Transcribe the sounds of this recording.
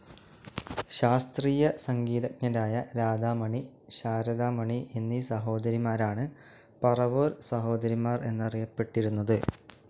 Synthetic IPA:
ɕaːst̪riːjɐsɐŋɡiːd̪ɐk̚ɲɐɾaːjɐɾaːd̪aːmɐɳi | ɕaːɾɐd̪aːmɐɳiʔenːisɐɦo̞ːd̪ɐɾimaːɾaːɳɨ | pɐrɐʋoːɾsɐɦo̞ːd̪ɐɾimaːre̞nːɐrijɐpːe̞ʈːiɾunːɐðɨ

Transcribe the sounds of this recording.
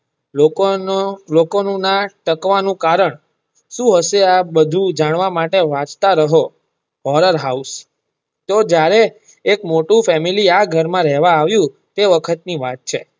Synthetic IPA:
o | lokonũnaʈəkʋanũkaɾəɳ | ʃũɦəʃeabəd̪ʱũd͡ʒaɳ̃ʋamaʈeʋãt͡ʃt̪aɾəɦo | ɦɔɾəɾɦaus | t̪od͡ʒjaɾeː | kmoʈũfɛmiliaɡʱəɾmãɾɛɦʋãːʋjũ | t̪eʋəkʰət̪niʋat̪̚t͡ʃʰe

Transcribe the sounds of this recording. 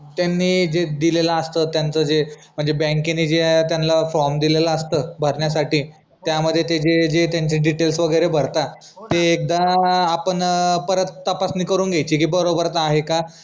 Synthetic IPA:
t̪janːiːd͡zed̪ilelaəst̪əːt̪jant͡səd͡zem̤əɳd͡zebɛ̃ŋkenːiːd͡zet̪janlafɾɔmd̪ileləəst̪əːbʱəɾɳjas̬aʈiː | t̪jaməd̪ʱːjet̪ed͡ʑed͡ʑet̪jaɲt͡ɕĩːɖiʈelsʋəɡəjɾebʱəɾt̪a | t̪eːk̚d̪aːpəɳpəɾət̪ːəpasniːkəɾuːnɡejt͡ɕiːkiːbəɾobəɾət̪aɦeka

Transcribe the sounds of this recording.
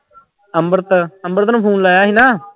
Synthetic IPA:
əmbəɾt̪əəmbəɾt̪nãpʰũːnlaːjaːɦiːnaː

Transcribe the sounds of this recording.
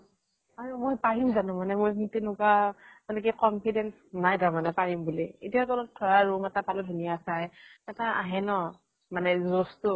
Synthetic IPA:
aɹumojpaɹimzanʊmanɛmojkintenʊkaɔnɛk̬ɛkɔmpʰidɛnsnajdamanɛpaɹimbulietiatɔlɔt̚tʰːɔɹaɹumɛtapaludʱunijasajɛtaaɦɛnɔ | manɛzɔstʊ

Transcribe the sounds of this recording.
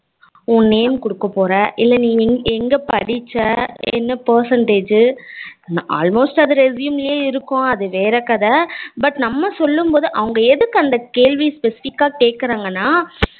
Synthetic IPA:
ʊnːeːmkʊɽɯkːɐpːoːɾɐʔɪlːɐnĩːɛŋɡɐpɐɽɪt͡ʃːɐɛ̰nːɐpɐːɾsɐɳʈeːd͡ʒ | nʔa̰ːlmoːsʈɐðɯɾɛsjumɪljeːɪɾɯkːʊ̃ɐðɯʋeːɾɐkːɐðɐbɐʈnɐmːɐsɔlːɯmpoːðɯʔɐʋɐŋɡɐɛðɯkːɯɐnd̪ɐkeːɻʋispɛsɪ̥fɪkːaːkeːkːɪɾaːŋɡɐnːaː

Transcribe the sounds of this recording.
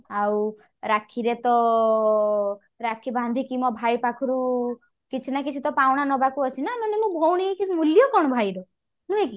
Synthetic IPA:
aw | ɾakʰiɾet̪ɔ | ɾakʰiband̪ʱikimɔbʱajpakʰɔɾu | kit͡ʃʰinakit͡ʃʰut̪ɔpawɽ̃anɔbakuɔt͡ʃʰinanɔnemũbʱowɽ̃ikimuljɔkɔɽ̃ɔbʱajɾɔ | nũeki

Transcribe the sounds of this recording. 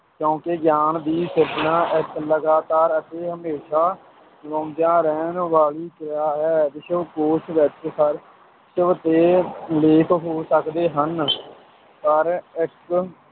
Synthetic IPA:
kjõːkeɡjaːnd̪iːsɪɾbnãːʔɪkləɡaːt̪aːɾət̪eːɦəmeːʃaː | ʋõːd͡ʒ̪jãːɾɛːnʋaːliːkɾɪjaːɦɛːd̪ɪt͡ʃʰoːkoːt͡ʃʰʋɛt͡ʃkʰəɾ | ʃəʋt̪eːleːkʰɦoːsəkd̪eːɦən | pəɾɪk

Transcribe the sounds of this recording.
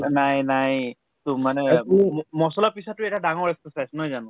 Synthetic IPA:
najnaj | tʊmanɛmɔsɔlapisɔtːʊɛtadaŋɔɹɛksɔsajsnɔjzanʊ̃

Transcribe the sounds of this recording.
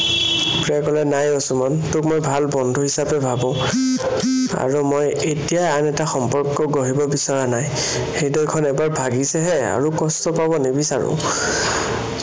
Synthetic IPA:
pɹakɔlɛnajosumɔntʊkmojbʱalbɔndʱuɦisapɛbʱabɔ̃ | a̰ɹumoj | etijajanɛtaxɔmpɔɹkːɔɡoɦibɔbisaɹanaj | xejdɔjkʰɔnɛbaɹbʱaɡisɛɦɛa̰ɹukɔstɔpabɔnebisaɹʊ̰̃

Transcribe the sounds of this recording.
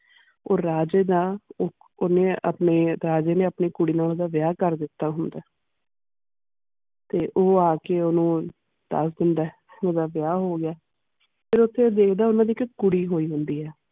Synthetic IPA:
oːɾaːd͡ʒeːd̪aː | oneːə̰pneːɾaːd͡ʒeːnẽːəpniːkʊɽiːnaːoːd̪aːʋɪjaːkəɾd̪ɪt̪ːaːɦʊnd̪aː | t̪eːʔoːaːkeːonũː | d̪̥ə̰sd̪ɪɳɖaː | oːd̪aːʋɪjaːɦoːɡɪjaː | pʰɪɾʊt̪ʰːeːd̪eːkʰd̪aːʊnãːd̪iːkkʊɽiːɦoːiːɦʊnd̪iːɦɛː

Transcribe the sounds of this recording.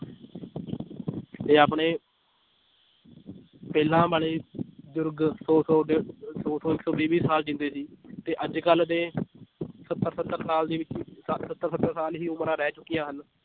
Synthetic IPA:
t̪eːaːpɳeː | pɛːlãːbaːleːəd͡ʒʊɾɡsɔːsɔːsoːsoːɪksɔːbiːbiːsaːld͡ʒɪ̃nd̪eːsiːt̪eːʔəd͡ʒkəld̪eː | sət̪ːəɾsət̪ːəɾsaːld̪iːʋɪt͡ʃsət̪ːəɾsət̪ːəɾsaːlɦiːʊməɾãːɾɛːt͡ʃʊkːijãːɦən

